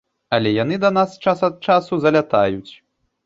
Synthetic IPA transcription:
ɐlʲɛjanɨd̪ɐnast͡ʂasɐt̪̚t͡ʂasuzɐlʲat̪ajut͡sʲ

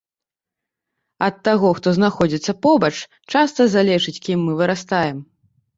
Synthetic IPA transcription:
ɐt̪ːaɣɔxt̪ɔznaxɔd͡zʲit̪sːɐpɔbɐt͡ʂ | t͡ʂast̪ɐzalʲɛʂɨt͡sʲkʲimːɨvɨɾast̪ajɛm

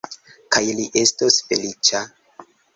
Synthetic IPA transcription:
kajliʔe̞stosfe̞lit͡ʃa

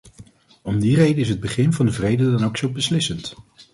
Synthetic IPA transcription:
ɔmdirejdəɪs̬ɦəd̚bəχɪnvɑndəvrejdədɑnowksol̚ˠbəslɪsənt

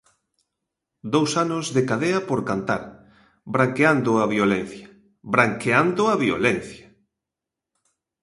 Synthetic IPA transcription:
d̪owsanʊzðekaðeɐpoɾkant̪a̰ɾ | bɾaŋkeand̪ʊɐβiolɛn̟θjɐ̥ | bɾaŋkeand̪ʊɐβio̰lɛn̟θja

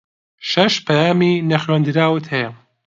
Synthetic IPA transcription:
ʃɐʃpʰɐjaːminɐxɥend̪ɨɾaːwɨt̪hɐjɐ

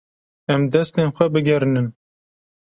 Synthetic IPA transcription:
ɛmd̪ɛst̪enxʷɛbɨɡʲɛɾɨnɨm

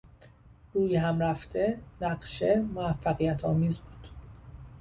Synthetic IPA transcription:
ɡ̥uːjɦæmɾæft̪ʰe̞næɢʃe̞moæfːæɣijæt̪ʰɒːmiːzbuːd̪̥

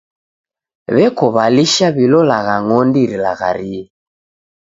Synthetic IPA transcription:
βɛkɔβaliʃaβilɔlaɣaŋɔndiɾilaɣa̰ɾiɛ

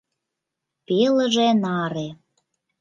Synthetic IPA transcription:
pelə̆ʒenɑɾe

